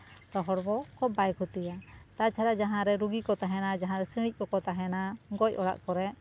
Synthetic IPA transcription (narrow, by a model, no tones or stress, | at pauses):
t̪ɔɦɔɽbɔkɔbajkʰut̪ijat̪at͡ʃʰaɾaʔd͡ʒaɦãɾɛɾuɡikɔt̪aɦɛnad͡ʒaɦãɾɛsiɽ̃ic̚bɔkɔt̪aɦɛnaɡɔc̚ˀɔɽa̰ʔkɔɾɛʔ